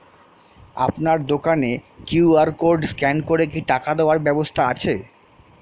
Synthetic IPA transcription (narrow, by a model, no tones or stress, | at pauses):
a̰pnaɾd̪okanekjuaɾkoɾɖskɛnkoɾek̬iʈakad̪eoaɾbɛbost̪ʰaat͡ɕʰe